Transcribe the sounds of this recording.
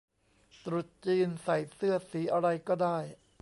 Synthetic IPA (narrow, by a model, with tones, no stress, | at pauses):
t̪ɾu˨˩t̪̚t͡ɕiː˧nsa˨˩jsɯ˥˩ɐsiː˩˦ʔa˧ɾa˧jkɔː˥˩daː˥˩j